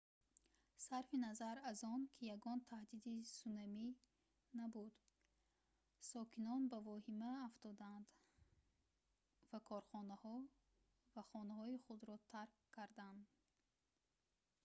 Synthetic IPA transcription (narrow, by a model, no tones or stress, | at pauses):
saɾfinazaɾazɔnkʰijaɡɔnt̪ʰahd̪id̪isunami | nabud̪ | sɔkʰinɔnbavɔhimaːft̪ɔd̪and̪ | vakʰɔɾχɔnahɔ | vaχɔnahɔiχud̪ɾɔt̪ʰaɾkʰːaɾd̪and̪